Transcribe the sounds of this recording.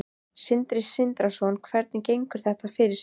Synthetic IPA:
sɪnt̪ɾɪsɪnt̪ɾasɔnkʰvɛɾt̪nɪcejŋkʏɾ̥θɛht̪afɪɾɪ̥s

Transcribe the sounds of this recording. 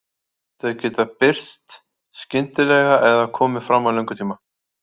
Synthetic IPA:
θɛðcɛːt̪apɪr̥st̪ | scɪnt̪ɪlɛɣaʔɛðakʰɔːmɪfɾamːawlœwŋkʏt̪ʰiːma

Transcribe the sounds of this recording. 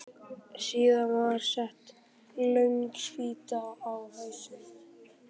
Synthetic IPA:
siːðavaɾ̥sɛht̪ | lœɥŋksfiːt̪aːwhœɥsʏn

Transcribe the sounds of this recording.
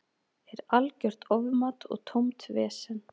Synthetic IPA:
ɛɾalcœr̥t̪ɔvmat̪ɔ̰ɣt̪ʰomt̪vɛːsɪn

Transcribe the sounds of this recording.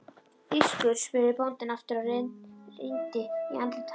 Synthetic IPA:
iskʏɾ̥spɪɾɪpowlt̪ɪnaft̪ɪɾa | ejnt̪ɪiant̪lɪt̪ʰ

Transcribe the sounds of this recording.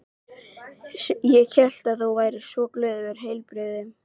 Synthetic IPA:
jɛɣçɛl̥t̪aðθowvaːjɾɪsɔklœːðvɛɾ̥ɦejlpɾɪðʏm

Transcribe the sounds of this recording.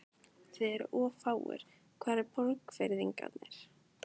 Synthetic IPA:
t̪ʰvɪɛɾ̰ʔɔːfaːwʏ̰ɾ̥ | kʰvaːðɛɾpɔlkfeɾðiŋka̰t̪nɛɾ̥

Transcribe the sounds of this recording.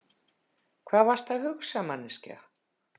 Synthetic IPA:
kʰvaːðvar̥st̪θahʏxsamanːɪsca̰

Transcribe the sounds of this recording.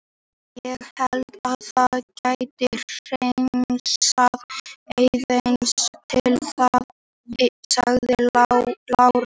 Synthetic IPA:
jɛɣhɛlt̪aðθaðcaːjt̪ɪr̥eŋsaðejðenst̪ʰɪlθað | saɣðɪlawɾ

